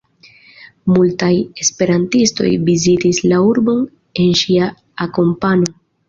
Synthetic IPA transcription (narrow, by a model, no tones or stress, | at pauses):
multaje̞spe̞ɾantisto̞̰jbizitislauɾbo̞n | e̞nʃiaː | ko̞mpano̞